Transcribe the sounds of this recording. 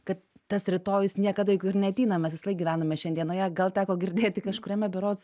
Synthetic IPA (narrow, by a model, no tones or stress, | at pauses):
kɐt̪t̪ɐsɾʲɪt̪oːjʊsnʲiɛkɐd̪ɐjɪkɪrnʲɛɐt̪ʲiːnɐmʲɛsʋʲɪslˠɐɪɡʲiːʋʲæːnomʲɛʃʲɛnd̪ʲiɛnoːjɛɡɐlˠt̪ʲæːkoːɡʲɪɾʲd̪ʲeːt̪ʲɪkɐʃkʊɾʲɛmʲɛbʲɛɾoːs